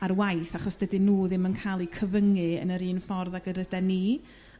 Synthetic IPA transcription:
arwajθaχɔsd̥ədɨnuːðɪmənkʰajlˠikʰəvəŋɨə̰nəɾiːnfɔrðaɡəɾədɛniː

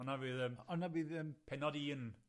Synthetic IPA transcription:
ɔnavɨːðəmɔnavɨːðəmpʰɛnɔdiən

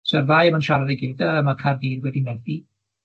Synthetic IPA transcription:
sɛrðaːjəmanʃaɾaðɛɡɪvdaəmakʰardiːrɡwɛdinɛθi

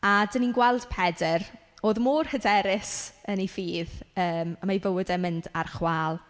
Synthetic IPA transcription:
adəninɡwɛlˠd̥pʰɛdɛroːðmuːrhədɛɾɪsənifiːðəːmamajvəwədɛmɪndarχwaːlˠ

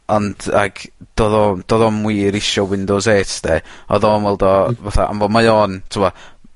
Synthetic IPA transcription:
ɔnd̥a̰ɡ̥d̥oːðɔd̥oːðɔmwiːɾɪʃɔwɪndɔzeːtʰdeɔ̰ðɔnwɛlˠdɔvaθa̰ʔa̰mvɔmajoːntʰɪwɔ

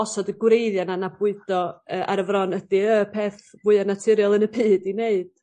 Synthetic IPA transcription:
ɔsɔdəɡwɾejðjananabʊɨdɔəːʔa̰ɾəvrɔnədiəpʰeːθvuɨənatʰɪɾjɔlˠənəpʰɨːdineɨd̥

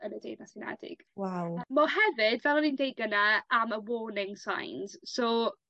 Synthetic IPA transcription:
ənədḛjdnasɪnɛ̰dɪ̰ɡ̥wawmːɔɦɛvɪdvɛlˠɔnindejɡənaaməwɔːnɪŋsa̰jnz̥so

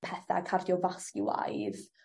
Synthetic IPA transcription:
pʰɛθa̰kʰardjɔvaskɪwa̰jð

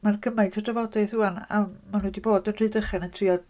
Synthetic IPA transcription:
markʰəmajtʰɔdrɛvɔdɛθuana̰manuːdiboːdənr̥ɨːdəχɛnəntʰriːɔd̥

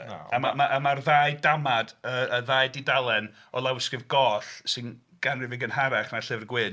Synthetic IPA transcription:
amamaʔəmarðaːjdamadəəðaːjdidalˠɛn | ɔlˠawɪskɨvɡɔːθsɪn | ɡ̥anrɨvɪɡənhaɾaχnaɬɪvrɡwɪn

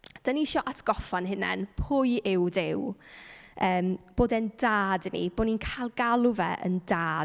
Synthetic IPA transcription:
d̥əniʃɔʔatʰɡ̥ɔfanhɪnɛ̰npʰʊjʔɪwdɪw | əːmb̥oːdɛndaːdnḭb̥oːninkʰajlˠɡalˠʊvɛ̰ʔə̰ndaː

